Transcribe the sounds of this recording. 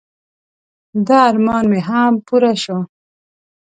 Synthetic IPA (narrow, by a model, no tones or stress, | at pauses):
d̪aːɾmɑːnmeɦampuɾaʃwa